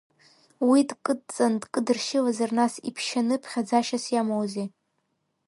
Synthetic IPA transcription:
widkʼɨt͡sʼandkʼɨdɨrʃɪlazarnasḭpʰʃanɨpʰχʲad͡zaʃasjamowze

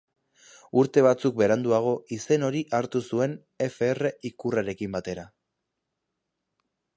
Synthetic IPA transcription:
uɾt̪e̞βat͡suk̚be̞ɾand̪uaɣ̞o̞ise̞no̞ɾiʔaɾt̪usue̞n | e̞fe̞ːre̞ikuraɾe̞kimbat̪e̞ɾa

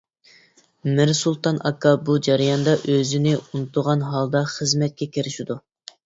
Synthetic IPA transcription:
mɪɾsulˠt̪ɑnʔɑ̰kʰːɑbud͡ʒæɾijɑnd̪ɑʔøzɪnɪunut̪ʰʊʁɑnɦɑlˠd̪ɑχəzmɛt̪̚kʲɛkʲiɾɪʃid̪u

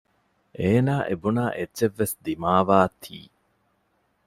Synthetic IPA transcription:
ʔeːnaːʔebunaːʔeːt͡ʃeʋːesd̪imaːʋaːt̪ʰḭː

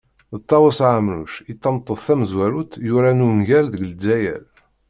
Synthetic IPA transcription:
ðət̪ˤːɑwəsʕəmɾṵʃit̪ːɑmt̪ˤːəðˤθæməzwæɾut̪jʊɾænunʝælðəɡld͡zːæjæ̰l

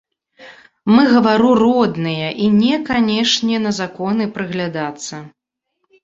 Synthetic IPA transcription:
mɨɣɐvaɾurɔd̪nɨjɐʔinʲɛkanʲɛʂnʲɛnɐzakɔnɨpɾɨɣlʲad̪at̪sːɐ

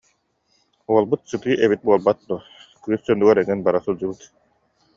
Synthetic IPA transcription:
uɔlˠbɯt̪sɯt̪ɯːʔɛβit̪̚buɔlˠbat̪̚d̪uɔ | kyːssœnd̪uɡœɾɛŋinbaɾasuld͡ʑubɯt̪

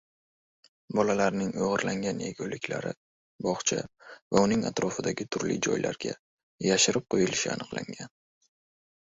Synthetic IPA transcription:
bɒlalaɾnɪŋoʁɨɾlaŋɡʲanjeɡʲowlɪkʲʰla̰ɾɪ | bɒχt͡ʃʰa̰vaʊnɪŋa̰t̪ɾɒfɪd̪aɡʲɪt̪ʰʊɾlɪ̰d͡ʒɒ̰jlʔa̰ɾɡʲa̰ | jaʃɪɾɪp̚qʰojɪlɪʃɪ̰a̰nɨqlˠa̰ŋɡʲan

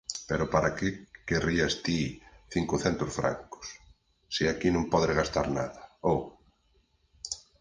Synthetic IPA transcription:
peɾʊpaɾakekeriast̪iθiŋkʊθɛnt̪ʊsfɾa̰ŋkʊ̥s | siakinõmpɔðɾeɣast̪a̰ɾna̰ðɐow

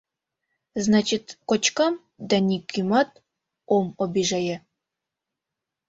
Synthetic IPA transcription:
znɑt͡ɕit̪kot͡ɕkɑm | d̪ɑnʲikʲymɑt̪̚ | omobʲiʒɑjɘ

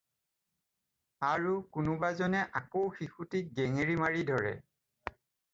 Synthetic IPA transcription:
aɹukʊnʊbazɔnɛʔakowxixutik̚ɡɛŋeɹimaɹidʱɔɹɛ̰

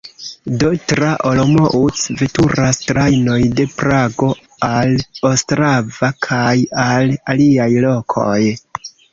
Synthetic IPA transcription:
dotɾaʔolomoʔusve̞tuɾastɾajno̞jde̞pɾaɡo̞ | alostɾavakʰajalaliajlo̞kʰo̞̰j

